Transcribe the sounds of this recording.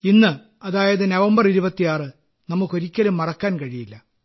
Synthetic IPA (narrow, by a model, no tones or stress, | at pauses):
inːɨ | ɐðaːjɐðɨnɐʋɐmbɐriɾubɐt̪ːijaːrɨ | nɐmːukːo̞ɾikʲːɐlumːɐrɐkːaːnkɐɻijilːɐ